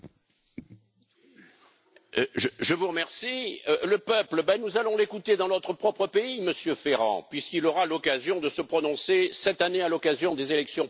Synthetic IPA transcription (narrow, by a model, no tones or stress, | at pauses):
ʒəʒəvuʁəmɛʁsiøləpœpləbɛnuzalɔ̃lekut̪ed̪ɑ̃nɔt̪χəpχɔpχəpeiməsjøfeʁɑ̰̃pɥiskilɔʁalɔkazjɔ̃d̪əsəpχɔnɔ̃sesɛt̪anealɔkazjɔ̃d̪ezelɛksjɔ̃